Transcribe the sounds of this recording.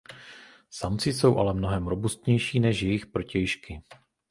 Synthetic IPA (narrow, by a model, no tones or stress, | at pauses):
samt͡sɪso̞wʔa̰lɛmno̞ɦɛmɾo̞bust̪ɲɛjʃiːnɛʃjɛjɪxpɾo̞cɛjʃkɪ